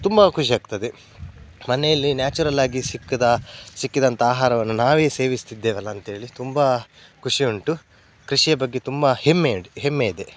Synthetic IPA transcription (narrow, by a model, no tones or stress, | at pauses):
t̪umbɐkʰuʂiaːɡ̚t̪ɐd̪e | mɐnɛjɐlːinjaːt͡ʃuɾɐlaːɡisikːid̪ɐsikːid̪ɐnt̪ɐaːɦaːɾɐʋɐnːunaːʋe̞ːse̞ːʋist̪id̪ːeːʋɐlːɐːnt̪ɐɦe̞ːɭit̪umbɐ | kʰuʂiuɳʈu | kɾiʂijɐbɐɡːe̞t̪umbɐhemːeɽiɦemːeid̪e̞